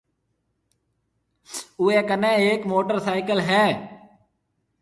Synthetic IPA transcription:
ʊeːkənẽːeːkmoːʈəɾsaːɪkəlɦɛː

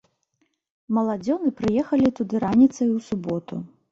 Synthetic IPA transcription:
mɐlˠad͡zʲɔnɨpɾɨjɛxɐlʲit̪ud̪ɨɾanʲit̪sɐjusubɔt̪ṵ

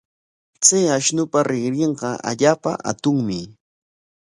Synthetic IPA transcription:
t͡sajaʃnʊpaɾɪχɾeɴɢɑa̰ʎaːpa̰ʔa̰t̪ʊŋmɪ

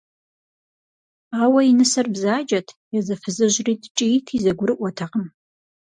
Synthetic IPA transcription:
ʁɐwɐjinɨsɐrbzaːd͡ʒʼɐtʰjɛzɐfɨzɨʑriːtʰt͡ʃʼitʰizɐɡʷʊɾɨʔʷɔtʰɐqəm

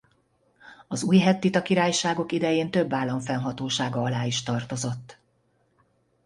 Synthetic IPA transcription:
ɒzuːjɦɛt̪ːit̪ɒkiɾaːjʃaːɡo̞kid̪ɛjeːnt̪ø̞bːaːlːɒɱfɛnɦɒt̪oːʃaːɡɒɒlaːiʃt̪ɒrt̪o̞zo̞t̪ː

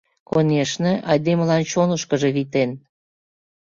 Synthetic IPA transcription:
konʲeʃneʔɑjd̪eməlɑnt͡ɕonəʃkəʒĕβit̪en

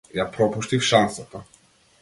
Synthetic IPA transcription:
japɾɔpuʃt̪ifʃansat̪a

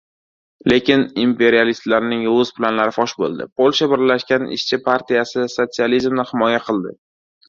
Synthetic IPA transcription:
le̞kʲɪnimpe̞ɾialist̪laɾnɪŋɵzplanlaɾɪfɒʃbo̰lˠd̪ɪ̰pʰolʲˠʃabɪɾlaʃkʲanɪ̰ʃt͡ʃʰɪpʰaɾt̪ʰijasɪso̞t̪sializmnɪhɪmɒjaqʰɨlˠd̪ɪ

